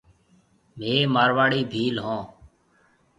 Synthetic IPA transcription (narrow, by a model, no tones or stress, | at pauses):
meːmaːɾʋaːɽiːbʱiːlɦõː